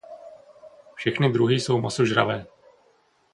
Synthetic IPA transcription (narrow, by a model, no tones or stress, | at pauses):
fʃɛxnɪd̪ɾuɦiːso̞wmasoʒɾa̰vɛː